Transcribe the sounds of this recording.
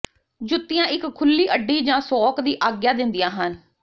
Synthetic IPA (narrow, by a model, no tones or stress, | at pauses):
d͡ʒʊt̪ːɪjãːʔɪkʰːʊlːiːʔəɖːiːd͡ʒãːsɔːkd̪iːʔaːɡjaːd̪ɪnd̪ɪjãːɦən